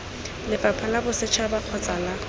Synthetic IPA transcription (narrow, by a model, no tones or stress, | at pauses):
lɪfapʰalabʊsɪt͡ʃʰabaq͡χʰɔt͡sʼala